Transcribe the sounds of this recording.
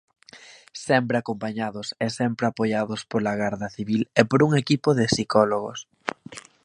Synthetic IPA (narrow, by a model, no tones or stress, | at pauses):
sɛmpɾeakompaɲaðʊsesɛmpɾeapojaðʊspolaɣaɾðɐθiβilepoɾuŋekipʊðɪsikɔloɣʊ̰s